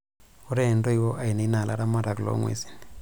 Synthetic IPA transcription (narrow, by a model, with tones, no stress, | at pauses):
u˦ɾɛndo˦iwo˦ʔa˨i˨na˨i˦na˨la̰˦ɾa˦ma˦ɾa˨klo̰˨˦ŋwḛ˨˦si̥˨n